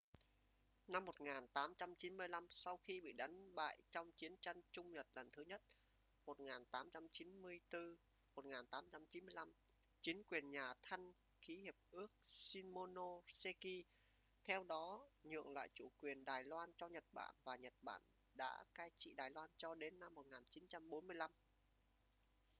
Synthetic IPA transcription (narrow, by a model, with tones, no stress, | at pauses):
na˧mːo˨˩t̚ŋaː˨˩nt̪aː˨˦mt͡ɕa˧mt͡ɕi˨˦nmɨ˧əjla˧msa˧wxi˧ɓḭ˧˨ɗa˨˦jŋ̟ɓa̰ː˧˨jt͡ɕɔ˧wŋ͡mt͡ɕi˨˦ənt͡ɕa˧jŋ̟t͡ɕʊ˧ŋ͡mɲə˨˩t̚lə˨˩nt̪ʰɨ˨˦ɲə˦˥t̚ | mo˨˩t̚ŋaː˨˩nt̪aː˨˦mt͡ɕa˧mt͡ɕi˨˦nmɨ˧əjt̪ɨ˧ | mo˨˩t̚ŋaː˨˩nt̪aː˨˦mt͡ɕa˧mt͡ɕi˨˦nmɨ˧əjla˧m | t͡ɕi˨˦ənkwi˨˩ənɲaː˨˩t̪ʰa˧jŋ̟ | xi˨˦hi˨˩əp̚ʔɨ˦˥ək̚si˧nmo˧no˧se˧ki˧ | t̪ʰɛ˧wɗɔ˨˦ɲɨ̰˧˨əŋla̰ː˧˨jt͡ɕu˧˩kwi˨˩ənɗaː˨˩jlwaː˧nt͡ɕɔ˧ɲə˨˩t̚ɓa̰ː˧˩nvaː˨˩ɲə˨˩t̚ɓa̰ː˧˩n | ɗa̰ː˧˥kaː˧jt͡ɕḭ˧˨ɗaː˨˩jlwaː˧nt͡ɕɔ˧ɗe˨˦nːa˧mːo˨˩t̚ŋaː˨˩nt͡ɕi˨˦nt͡ɕa˧mɓo˨˦nmɨ˧əjla˧m